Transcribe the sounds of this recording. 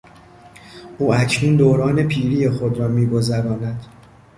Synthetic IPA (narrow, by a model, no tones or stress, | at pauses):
ʔuːʔæcʰnuːnd̪oːɾɒːne̞pʰiːɾiːjexod̪ɾɒːmiːɡo̞zæɾɒːnæd̪̥